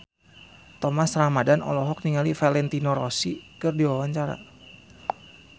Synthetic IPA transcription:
t̪ɔmasramadanɔ̰lɔɦɔk̚niŋalifalɛnt̪inɔɾɔsikɨrdiwawaɲt͡ʃaɾa̰

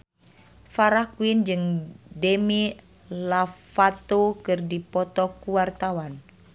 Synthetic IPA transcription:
faɾahkuind͡ʒɨŋdemi | lafat̪okɨrdipɔt̪ɔkuwart̪awan

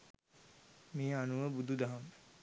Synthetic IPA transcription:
meːanuʋəbud̪ʱud̪aɦam

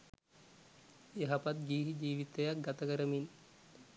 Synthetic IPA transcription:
eɦapat̪̚ɡiːɦid͡ʒiːʋit̪ejak̚ɡat̪əkəɾəmin

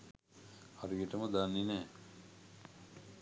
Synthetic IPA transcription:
aɾujeʈəməd̪anːinɛː

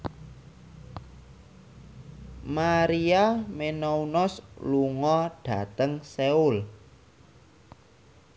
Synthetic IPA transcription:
maɾiamenɔunɔsluŋɔɖ̥ä̤t̪əŋseul

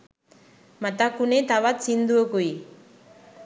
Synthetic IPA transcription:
mat̪akunet̪aβat̪t͡sind̪uokuj

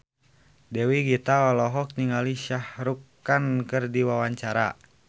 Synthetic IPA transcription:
dɛwiɡit̪aɔlɔɦɔk̚niŋaliʃahɾukː | ankɨrdiwawaɲt͡ʃaɾa̰

